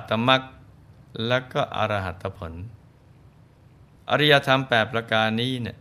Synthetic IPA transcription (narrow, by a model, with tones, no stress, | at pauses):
t̪ːa˧ma˦˥k̚ | lɛː˦˥˩wkɔː˥˩ʔa̰˧ɾa˧ɦa˨˩t̪ʰːa˧pʰo˩˦n | ʔa̰˧ɾi˦˥ja˧t̪ʰa˧mpɛː˨˩p̚ɾa˧kaː˧nːiː˦˥ni˥˩